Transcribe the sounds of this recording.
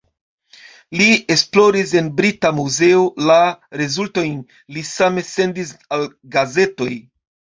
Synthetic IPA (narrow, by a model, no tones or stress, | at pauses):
lie̞splo̞ɾis̬e̞nbɾitamuze̞olaɾe̞zulto̞jn | lisame̞se̞ndisal | ɡaze̞to̞j